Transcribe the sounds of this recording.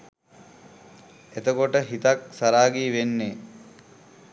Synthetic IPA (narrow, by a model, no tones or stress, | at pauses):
et̪əkoʈəɦit̪ak̚saɾaːɡiːʋenːe